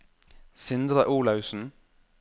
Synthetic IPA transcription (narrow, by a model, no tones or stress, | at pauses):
sɪnd̪ɾɑʔuːlɑʉsn̩